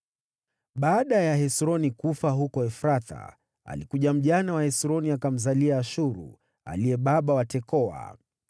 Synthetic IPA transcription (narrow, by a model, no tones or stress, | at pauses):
ɓaːɗajaɦɛsɾɔnikufaɦukɔɛfɾata̰ | a̰likuʄam̩ʄanawahɛsɾɔniakam̩zaliaːʃuɾṵ | a̰liɛɓaɓawatɛkɔa̰